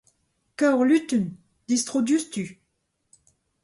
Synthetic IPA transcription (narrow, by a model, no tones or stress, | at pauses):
kaʁlyt̪yn | d̪̥ist̪χud̪yst̪y